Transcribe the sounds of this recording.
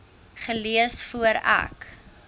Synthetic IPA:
χəliəsfuəɾæ̰k

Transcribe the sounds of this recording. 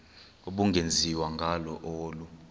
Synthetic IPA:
uɓuŋɡʱend͡zʱiwaŋɡʱalɔʔoːlu

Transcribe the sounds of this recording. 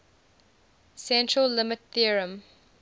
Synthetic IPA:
sɛ̃ntɹəlːɪmɪtθiəɹə̃m

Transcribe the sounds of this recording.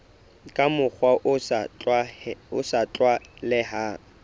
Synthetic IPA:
kʼamʊk͡xwaʔaʊsat͡ɬʼwalɪɦa

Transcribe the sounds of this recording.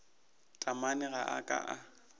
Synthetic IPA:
tʼamanɪɣaʔakʼa̰ʔa

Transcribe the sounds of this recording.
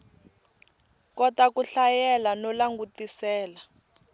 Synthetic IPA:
kɔtakuɬajɛlanɔlaŋɡutisɛːla

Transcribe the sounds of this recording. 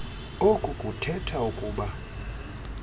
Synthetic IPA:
okʼukʼutʰɛtʰaukʼuːɓa

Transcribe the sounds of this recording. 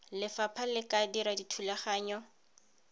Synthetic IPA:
lɪfapʰalɪkʼadiɾaditʰulaχaːɲɔ

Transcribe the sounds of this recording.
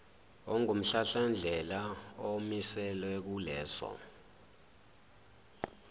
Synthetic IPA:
ɔŋum̩ɬaɬand͡ɮʱɛlaomisɛlwɛk̬ulɛːsɔ̰

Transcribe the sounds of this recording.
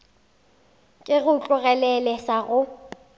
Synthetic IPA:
kʼɪɣʊt͡ɬʼʊɣɛlɛlɛsaɣʊ

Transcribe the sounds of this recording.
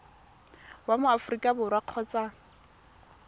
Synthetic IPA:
wamʊafʊrikʼabʊrwaq͡χʰɔt͡sʼa

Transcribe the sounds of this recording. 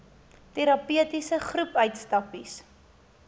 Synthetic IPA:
teɾɐpyətisəχrupœɥtstɐpis

